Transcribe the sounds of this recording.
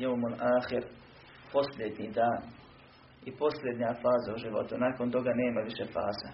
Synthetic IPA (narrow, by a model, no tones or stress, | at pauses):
jeomonʔaːxeɾ | po̞sljed̪ɲid̪aːn | ipo̞slʲjed̪ɲafaːzauʒiʋo̰t̪unaːkont̪o̞ɡaneːmaʋiʃefa̰ːza